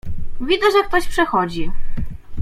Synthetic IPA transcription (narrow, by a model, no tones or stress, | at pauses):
vʲid̪zɛʐɛk̚t̪ɔɕpʂɛxɔd͡ʑi